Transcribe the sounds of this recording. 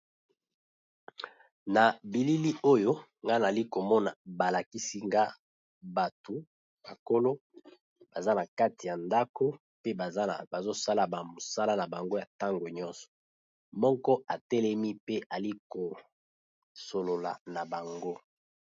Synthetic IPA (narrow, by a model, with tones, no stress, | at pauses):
na˨bi˨li˦li˦o˦jo˦ŋɡa˦na˨li˦ko˨mɔ˦na˨ba˨la˨ki˦si˦ŋɡa˦ | ba˨to˨ | ba˨ko˦lo˦ | b̥a˨za˦na˨ka˦ti˨ja˨nda˦ko˦ | pe˦bba˨zo˦sa˦la˨bmo˨sa˦la˦na˨ba˨ŋɡo˦ja˨ta˦ŋɡo˨ɲɔ˦nsɔ̥˨ | mɔ˦kɔ˦a˨tɛ˦lɛ˦mi˦pe˦a˨li˦ko˨ | so˨lo˨la̰˨na˨ba˨ŋɡo˦